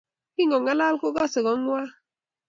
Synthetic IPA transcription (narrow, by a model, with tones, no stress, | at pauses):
ki˦ŋɔ˨ŋa˦la˦lko˦ɡɔ˦se˨ɡɔ˨˦ŋ˦wa˦